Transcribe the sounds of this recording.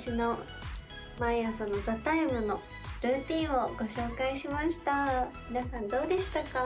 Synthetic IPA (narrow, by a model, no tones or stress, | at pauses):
ɕino̞ | maijasonozat̪aemɯ̟no̞ | ɾɯ̟ːt̪ʲĩɰ̃o̞ɡ̥o̞ɕo̞ːkaiɕimaɕi̥t̪amʲinasãnd̪o̞ːd̪e̞ɕi̥t̪aka